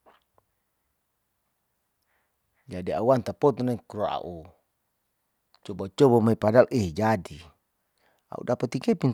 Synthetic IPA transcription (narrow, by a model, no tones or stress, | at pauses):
d͡ʒadia̰want̪apɔt̪ɔnakuɾoa̰ʔu | t͡ʃɔbat͡ʃɔbamaipadalʔiɦd͡ʒadi | a̰ṵdapat̪ikɛpin